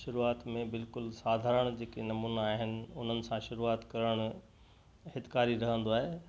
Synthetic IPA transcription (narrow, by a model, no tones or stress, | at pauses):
ʃʊɾuaːt̪mẽbɪlkʊlsaːd̪ʱaːɾəɽ̃d͡ʑeːkenɐmuːnaːɦɪnɪ̆ʊn̤ənɪ̆sãʃʊɾuaːt̪kɐɾəɽ̃ | hɪt̪kaːɾiɾɐɦə̃nd̪oaːɦeː